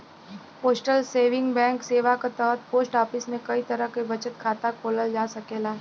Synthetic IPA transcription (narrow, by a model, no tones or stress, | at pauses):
poːsʈəlseːʋɪ̃ŋɡbɛ̃ːŋkseːʋakat̪ɔːt̪̚poːsʈaːpɪsmẽkɐit̪ɐɾəɦkebɐt͡ʃət̪̚kʰaːt̪akʰoːləld͡ʒaːsɐkeːlaː